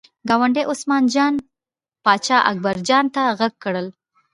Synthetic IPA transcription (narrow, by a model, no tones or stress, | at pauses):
ɡɑwaɳɖeʔosmɑnd͡ʒɑn | pɑt͡ʃɑʔa̰k̚baɾd͡ʒɑnt̪aɣaɡ̚kɽəl